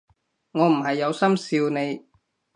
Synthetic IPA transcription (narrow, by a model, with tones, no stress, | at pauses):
ŋɔː˨˧m̩˨˩ɦɐ˨jːɐ˨˧wsɐ˥msiː˧wne˨˧j